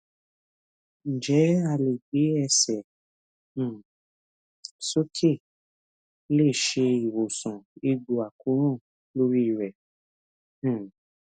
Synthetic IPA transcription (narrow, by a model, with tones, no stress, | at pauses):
n̩˨d͡ʒɛ˨˦a˦˧˨le˨ɡ͡be˨˦ɛ˧sɛ̃˨˦˨ | so˦kʰe˦˨ | le˦˨ʃe˧i˨wo˨sɔ̃˨e˧ɡ͡bo˨a˨ku˨˦ɾ̃ũ˦˨ | lo˦ɾi˦˨ɾɛ˨˦˨